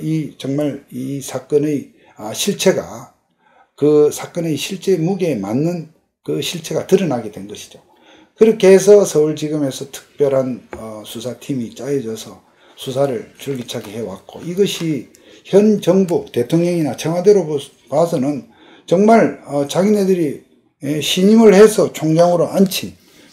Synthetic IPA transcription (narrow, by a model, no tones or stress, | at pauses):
it͡ɕʌŋmaɾisʰak͈ʌnɯj | ʌɕʰiɭt͡ɕʰe̞ɡa̰ | kɯsʰak͈ʌnejɕʰiɭt͡ɕ͈e̞muɡe̞manːɯn | kɯɕʰiɭt͡ɕʰe̞ɡatɯɾɯnaɡe̞dwe̞nɡʌɕʰi̥d͡ʑo | kɯɾʌkʰeːsʰʌsʰʌuɭt͡ɕiɡɯme̞sʰʌtʰɯ̥k̚p͈jʌɾɦanʌsʰusʰatʰimit͡ɕ͈ajid͡ʑʌsʰʌ | sʰusʰaɾɯɭt͡ɕuɭɡit͡ɕʰaɡehe̞wa̰k͈o̰iɡʌɕʰi | çjʌnd͡ʑʌŋbute̞tʰoŋɲʌŋinat͡ɕʰeŋwadeɾo | pas̬ʰʌnɯn | t͡ɕʌŋmaɭʌt͡ɕaɡinedɯɾi | eɕʰiɲimɯɭhe̞sʰʌt͡ɕʰoŋd͡ʑaŋɯɾoʔant͡ɕʰin